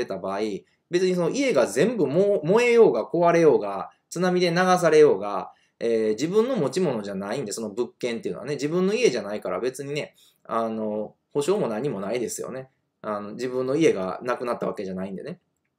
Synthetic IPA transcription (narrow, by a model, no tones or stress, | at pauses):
et̪abaːi | be̞t͡sɨɲ̟is̬o̞no̞ʔie̞ɡazẽ̞mbɯ̟momo̞e̞jo̞ːɡako̞βaɾe̞jo̞ːɡa | t͡sɨnamʲid̪e̞naɡas̬aɾe̞jo̞ːɡa̰ | eːd͡ʑibɯ̟̃nːo̞mo̞t͡ɕimo̞no̞ʑanaĩnd̪e̞so̞no̞bɯ̟kːẽ̞nt̪e̞iɯ̟noaned͡ʑibɯ̃nːo̞ie̞ʑanaikaɾa̰be̞t͡sɨɲ̟ine̞ | ano̞ | ho̞ɕo̞ːmo̞nãɲ̟ːimo̞naid̪e̞sɨjo̰ne̞ | ano̞d͡ʑibɯ̟̃nːo̞ie̞ɡa̰nakɯ̟nat̪ːaβake̞ʑanaĩnd̪e̞ne